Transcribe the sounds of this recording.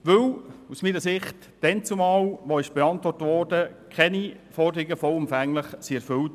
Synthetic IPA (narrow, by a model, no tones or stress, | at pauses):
ʋɵwusmiːnəsɪχt | d̥ɛnt͡sumɑːlʋɔɪʃb̥eɑntʋɔrtʋɔrdəkʰχɛnifɔrdəɾɪɡəfɔlʊmfæŋləχsiɛɾfɵlt